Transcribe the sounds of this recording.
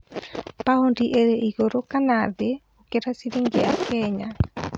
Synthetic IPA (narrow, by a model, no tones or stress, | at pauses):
pahondiʔeɾeʔiɣoɾokanaðe | okeɾasiɾeŋɡeakɛɲa